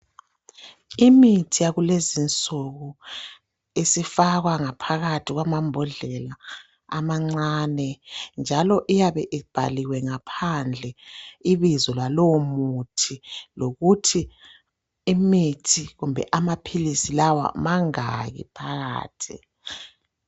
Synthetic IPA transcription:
imitʰijaɣulezint͡sʼuɣu | isifaɣwaŋapʰaɣatʰiɣwamambʱɔɮɛla̰ː | maŋ͡ǀanɛnd͡ʒʱalɔʔijaβɛʔib̥ʱa̰liwɛŋapʰand͡ɮʱɛiβizɔlwalɔwmutʰiloɣutʰiː | mitʰiɣumbʱɛ̰ʔamapʰilisilawa̰maŋaɣḭpʰaɣa̰ːtʰi

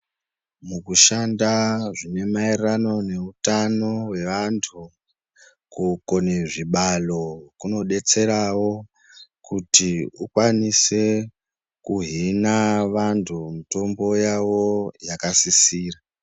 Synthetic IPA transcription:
mukuʃandaʐine̞mairrano̞ne̞utano̞we̞ʋantʰu | kuko̞neʐiɓalo̞kuno̞ɗe̞t͡se̞ɾawo̞ | kutiukwanise̞ | kuɦinaʋantʰumito̞mbo̞jawo̞jakasisiːra

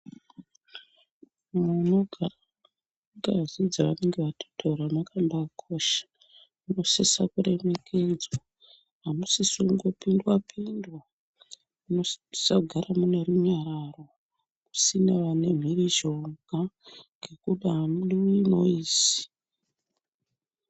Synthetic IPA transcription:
muno̞ɡʱar | ŋɡaazid͡zaʋane̞ŋɡeʋatʰo̥tʰauramakandakʰo̞ʃḁ | muno̞sesakuɾe̞me̞kʰed͡zwa | ɦamusisuŋɡopindwapʰindwa | uosaɡʱaramune̞ruɲaɾaro̞ | kusinaʋane̞m̤iriʒo̞ŋɡʱaŋɡe̞kuɗaɦamuɗiwinoiːsi̥

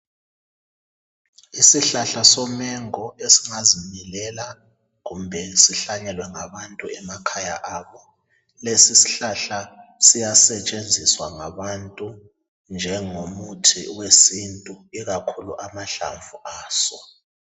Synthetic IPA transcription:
isiɬaɬasɔmɛŋɔesiŋazimilɛla | ɣumbʱɛsiɬaɲɛlwɛŋaβantʼuɛmakʰaja̰ʔaːβɔ | lesisi̥ɬaɬasijasɛt͡ʃʼend͡zʱiswaŋaβantʼu | nd͡ʒʱɛŋomutʰḭwesintʼuiɣakʰulṵʔamaɬa̰ɱvuʔaːsɔ

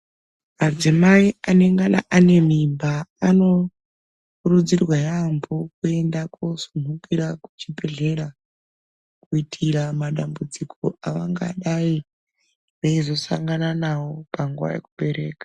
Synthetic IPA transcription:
mad͡zimaiane̞ŋɡana̰ʔane̞m̤imbaːno̞ | kuɾud͡zirwajambokue̞ndakosum̤ʱukiɾaku̥t͡ʃipe̞ɮe̞ɾa | kuitʰiɾamaɗambud͡zikʰoaʋaŋɡa̰ɗai | ʋaizo̞sa̰ŋɡananawopaŋɡuʋa̰jḛkuɓe̞ɾe̞ːkḁ

